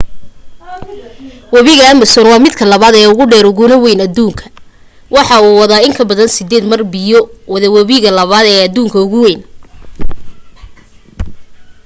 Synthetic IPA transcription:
wɑβiɣɐːmɐsɔːnwɑːmɪd̪kʰɐlɐβaːd̪ɛːʊɣʊɖɛːɾʊɣʊnɐwɛjnɐd̪uːŋkʰɐ̥ | wɑħɑuːwɑðaːɪŋkʰɐbɐðɐnsɪd̪ɛːd̪mɐrbɪjɔwɐðɐwɐβiɣɐlɐβaːd̪ɛːɐd̪uːŋkʰɐʊɣʊwɛjn

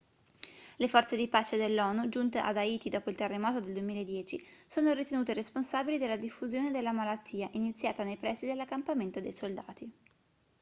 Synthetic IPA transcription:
lefɔrt̪sed̪ipaːt͡ʃed̪elːɔːnud͡ʒunt̪eʔa̰d̪aiːt̪id̪ɔːpoilt̪erːemɔːt̪od̪eld̪uemiːlaed̪ːjɛːt͡ʃisoːnoɾit̪enuːt̪eɾesponsabilid̪elːad̪ifːuzjoːned̪elːamalat̪ːiːaʔinit̪sːjaːt̪anejpɾɛsːid̪elːakːampament̪od̪ejsold̪a̰ːt̪i

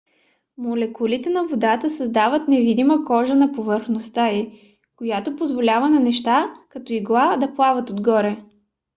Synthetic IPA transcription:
molɛkulit̪ɛnɐvod̪at̪əsɐzd̪avət̪nɛvid̪iməkɔʒənɐpovəɾxnost̪ai | kojat̪opozvolʲavɐnɐnɛʃt̪akɐt̪ɔiɡlˠad̪ɐplˠavət̪od̪ɡɔɾɛ

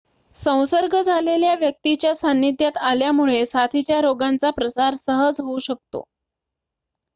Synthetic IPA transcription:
sə̃w̃səɾɡəd͡zʱaleljaʋjək̚t̪it͡ɕjasanjit̪jat̪aljamuɭesat̪ʰit͡ɕjaɾoɡant͡sapɾəsaɾsəɦəd͡zɦouɕək̚t̪o̰

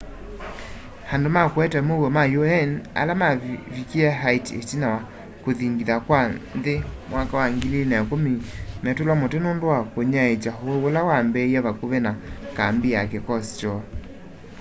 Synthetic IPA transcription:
handomakwɛtɛmoɣɔmajoɛna̰lamavikiɛɦaitḛtinawa | koðiŋɡiðakwaðemwakawaŋɡilinakomimɛtolwamotenondowakoɲaet͡ʃaɦoolawambɛiɛβakoβenakambiakɛkɔst͡ʃɔ

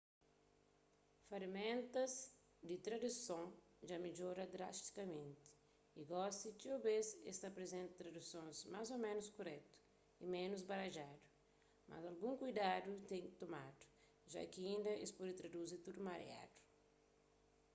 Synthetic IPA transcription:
faɾimẽnt̪ɐz | d̪it̪ɾad̪usõŋ | d͡ʒamed͡ʒoɾɐd̪ɾast̪i̥kɐmẽnt̪i̥ | iɡɔsit͡ʃiobesest̪apɾezẽnt̪t̪ɾad̪usõnzmazomẽnuskoɾɛt̪u̥ | imẽnuzbaɾaʒad̪u | mʔa̰zalɡũŋkujd̪ad̪ut̪ẽŋt̪omad̪u̥ | ʒa̰kiĩnd̪ɐḛspɔd̪it̪ɾad̪uzit̪ud̪umaɾj̰a̰d̪̥u̥

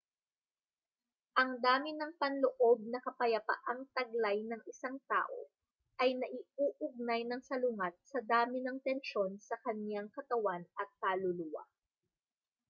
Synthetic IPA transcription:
ʔɐŋd̪aːmɪnɐŋpɐnloʔo̞b̚nɐkɐpɐjɐpɐ̰ʔaŋt̪ɐɡ̚lajnɐŋʔɪsaŋt̪a̰ːʔo̞̰ | ʔɐjnɐʔɪʔuːʔʊɡ̚najnɐŋsɐlʊŋat̪̚sɐd̪aːmɪnɐŋt̪ɛnʃo̞nsɐkɐnjaŋkɐt̪ɐwanʔɐt̪̚kaːlʊluwa̰

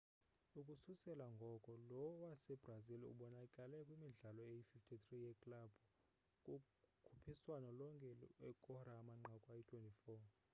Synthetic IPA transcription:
ukʼususɛlaŋɡʱɔkʼɔlɔwɔwasɛbrazilṵɓɔnakʼalɛkʼwimiɮalɔejififtʰit̪rijɛkʼlab̥ʱ | kʼu | kʰupʰiswanɔlɔŋkʼɛɛkʼɔramaŋ͡ǃʱakʼwajitʰwɛntʼifɔː

